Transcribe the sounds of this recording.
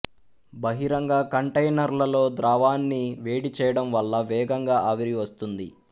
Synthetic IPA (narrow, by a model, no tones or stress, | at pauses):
bɐɦiɾɐŋɡaːkɐɳʈɐjnɐɾlɐlo̞ːd̪ɾaːʋaːnːiʋe̞ːɽit͡ʃɛːjɐɽɐmʋɐɭːɐʋɛːɡɐŋɡaːʔɐːʋiɾiʋɐst̪und̪i